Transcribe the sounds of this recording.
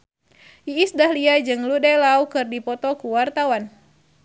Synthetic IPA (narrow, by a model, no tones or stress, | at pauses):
ʔiisdahliad͡ʒɨŋludalaukɨrdipɔt̪ɔkuwart̪awan